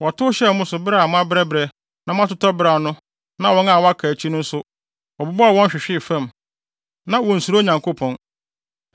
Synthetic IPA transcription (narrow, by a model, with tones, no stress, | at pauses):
wɔ˨tʊ˦ɕɛ˦mʊ̃˦sʊ˨bɾa˨mʊ̃˦a˦bɪ˦ɾɛ˦bɾɛ˨ | nã˦m˦ã˦tʊ˦tɔ˦bɾa˨nʊ̃˦ | nã˦wɔ̃˦nã˦˨wɔ˦a˦kʰa˨t͡ɕʰi˦nʊ̃˦n̩˦sʊ˦ | wɔ˨bʊ˨bɔ˦a˨wɔ̃˦n˦ɕᶣɪ˨ɕᶣɪ˦˨fã˦˨m | nã˦wɔ̃˨n̩˨su˨ɾo˦ɲã˨ŋkʰo˦pʰɔ̃˨n